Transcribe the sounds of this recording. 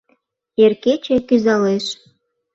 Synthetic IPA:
erket͡ɕekyzɑleʃ

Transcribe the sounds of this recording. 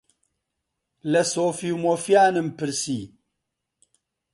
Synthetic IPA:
lɐsoːfiwmofjaːnɨmpɨɾsi

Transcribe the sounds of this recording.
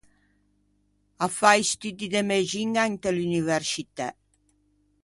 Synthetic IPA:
afajst̪yd̪id̪emed͡ʒiŋaŋt̪elynivɛɾsit̪ɛ̰

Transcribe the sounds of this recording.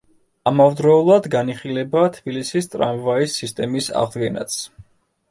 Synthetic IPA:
amavd̪ɾɔulˠad̪ɡaniχilɛbat̪ʰb̥ilisist̪ʼɾa̰mvaisːist̪ʼɛmisa̰ʁd̪ɡɛna̰t̪sʰ

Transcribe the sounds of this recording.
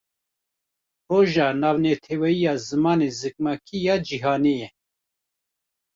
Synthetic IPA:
roːʒɑːnɑːvnɛt̪ʰɛwɛijɑːzɨmɑːneːzɨk̚mɑkʰijɑːd͡ʒiɦɑːneːjɛ

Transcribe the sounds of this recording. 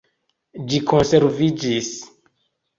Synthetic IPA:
d͡ʒikʰõnseɾvid͡ʒis

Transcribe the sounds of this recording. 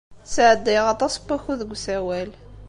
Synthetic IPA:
t͡sːʕəd̪ːiʁɑt̪ˤɑsˤbæxuðəɡʷsæwæl

